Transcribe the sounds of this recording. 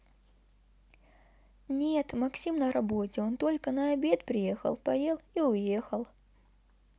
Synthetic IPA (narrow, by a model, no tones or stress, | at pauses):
nʲet̪mɐksʲimnəɾɐbo̞tʲɪont̪o̞lʲkənɐɐbʲet̪pɾʲɪje̞xə̰lˠpɐjelˠiʊjexəlˠ